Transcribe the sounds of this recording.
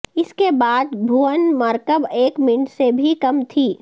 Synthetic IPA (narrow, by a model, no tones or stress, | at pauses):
ɪskebaːd̪bʱuːʋənmɐɾkəbeːkmɪɳsebʱikɐmt̪ʰiː